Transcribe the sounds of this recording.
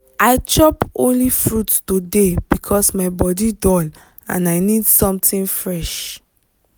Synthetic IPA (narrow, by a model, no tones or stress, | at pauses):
aɪt͡ʃɔpõnlifɹuttodeb̥ikʰɔsmaɪbɔdidɔl | ã̰naɪnidsɔ̃mtĩnfɹɛʃ